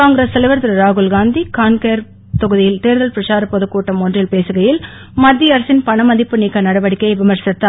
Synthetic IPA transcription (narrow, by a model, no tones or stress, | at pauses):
aːŋɡɾesːɛlɪʋɐɾt̪ɐɾɐɾaːɣɯlɡaːnd̪ikaːnkeːɾ | t̪ɔɣɯðɪjɪlt̪eːɾðɐlpɪɾɐʂaːɾɐpɔðɯkːuːʈːɐmondrɪlpeːsɯɣɐjɪl | mɐd̪ːiɐɾɐsɪnpɐɳɐmɐd̪ɪpːɯniːkːɐnɐɽɐʋɐɽɪkːɐɪʋɪmɐɾsɐt̪ːa